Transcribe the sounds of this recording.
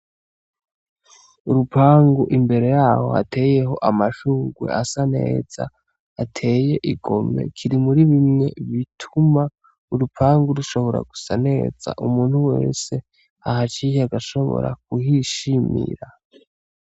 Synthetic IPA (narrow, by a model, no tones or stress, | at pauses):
uɾupaːŋɡuʔimbe̞ɾe̞jaːho̞̰ha̰tʰe̞ːje̞ɦo̞ʔamaʃuːŋɡwḛʔasane̞̰ːz̥a̰ | atʰe̞ːje̞ʔiɡo̞me̞̰kʰiɾimuɾiβimŋe̞βitʰuma | uɾupaːŋɡuɾuʃo̞βo̞ɾa̰ɡusane̞̰ːz̥a̰ʔumuːn̥huwe̞̰ːse̞ | aɦat͡ʃiːhaɡaʃo̞βo̞̰ɾa̰kuhiʃimḭɾa